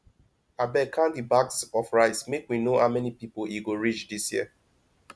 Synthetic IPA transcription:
abɛkʰãndibaksɔfɹaɪsmekwinoa̰mɛnipipoliɡoɹit͡ʃdisjḭə

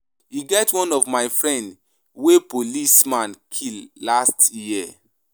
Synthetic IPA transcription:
iɡɛtwɔ̃nɔvmaɪfɹɛ̃nd | wepolismãnkʰillastjjiɛ

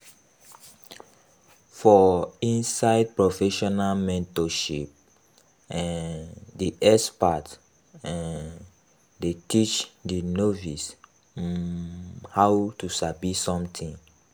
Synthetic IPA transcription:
fɔĩnsaɪd̚pɹofɛʃɔnalmɛ̃ntɔʃip̚ | ɛ̃ndiʔɛspat | ɛ̃n | detit͡ʃdinovis | hawtusabisɔ̃mtʰĩn

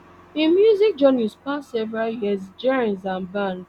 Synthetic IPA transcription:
ĩmjuzik̚d͡ʒɔnispasɛvɹaljizd͡ʒɛɹĩnzãnbãnd

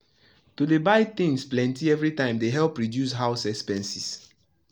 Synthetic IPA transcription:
tudebaɪθɪ̃ŋsplɛ̃ntiɛvɹitãɪ̃mdeɦɛlˠpɹidjus̬ɦaʊsɛkspɛ̃nsis

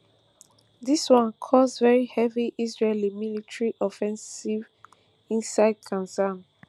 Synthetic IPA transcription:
diswɔ̃nkʰɔsvɛɹihɛviʔizɹelimilitɹiʔɔfɛ̃nsiv | ĩnsaɪd̚kʰãnzãn

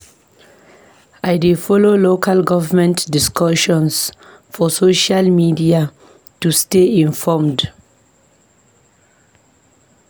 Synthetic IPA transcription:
ajdefɔlolokʰalɡɔvamɛ̃ntdiskɔʃɔ̃ns | fɔsoʃalmidia | tusteĩnfɔmd

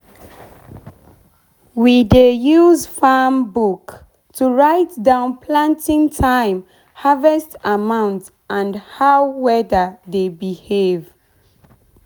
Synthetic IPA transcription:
widejuzfambuk | tʰuɹaɪtdãʊ̃npʰlãntĩŋtʰãɪ̃m | havɛstamãʊ̃nt | ʔãnhaʊwɛðədebihev

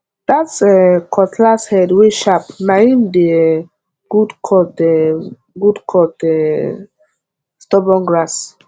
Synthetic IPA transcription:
d̥atsɛkʰɔtlashɛdweʃapnaĩmde | ɡ̥udkʰɔtɛ | ɡudkʰɔtɛ | stɔbɔ̃nɡɹas

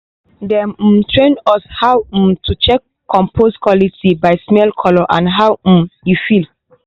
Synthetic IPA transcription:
dɛ̃m̩tɹẽnɔshawm̩tut͡ʃɛkːɔ̃mpʰoskwɔlitibaɪsmɛlkʰɔlɔʔã̰nɦawm̩jufil

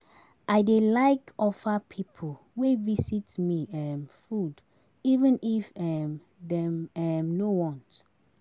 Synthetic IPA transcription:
ʔajdelaɪkɔfapʰipʰo | wevisitmiɛmfud | ivɛ̃nifɛm | dɛmɛmnowɔ̃nt

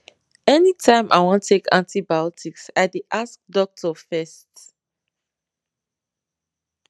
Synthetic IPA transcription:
ɛnitʰãɪ̃mʔa̰ɪwɔ̃ntʰːekʰã̰ntibajɔtʰiksaɪdeʔask̚dɔk̚tʰɔfɛst

